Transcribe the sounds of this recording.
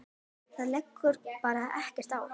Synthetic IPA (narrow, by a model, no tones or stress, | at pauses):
θaðlɛjkʰːʏɾpaːɾaʔɛhcɪr̥t̪aːw